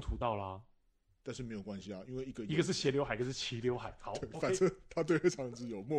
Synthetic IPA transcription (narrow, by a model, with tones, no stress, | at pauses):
t̪ʰu˨˧˥t̪ɑ˥˩ʊla˩ | t̪a˥˧nʂ̬ɻ̩˥˩me˥jo˨˩ʊkwa˦nɕi˨a˨˦i˦˥nwe˥˧ɪi˧˥ɡə˧˨ji˦˧˥ɡə˧ʂɻ̩˥˩ɕjɛ˧˥ljʊa˨˩˧ə˧ʂɻ̩˥˩t͡ɕʰi˧˥ljo˧˥ʊxa˨˩ɪxɑ˨˦ʊte˥˩ɪfa˨˩ʂɤ˥˧t̪ʰa˥t̪we˥˧ɪwe˥˩ɪʈ͡ʂʰɑ˧˥ŋʈ͡ʂɻ̩˧˥jo˨˩ʊmwɔ˥˨